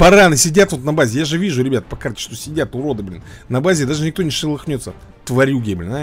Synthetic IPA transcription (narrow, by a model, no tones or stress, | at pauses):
pɐɾanɨsʲɪdʲat̪vo̞t̪nɐbazʲɪjaʐɨvʲiʐʊɾʲɪbʲat̪pɐkartʲɪ̥ʂt̪o̞sʲɪdʲat̪ʊɾo̞d̪ɨblʲɪnnɐbazʲɪd̪aʐɨnʲɪkt̪onʲɪʂɨlˠɨxnʲo̞t̪sə | t̪vɐɾʲjuɡʲebʲlʲna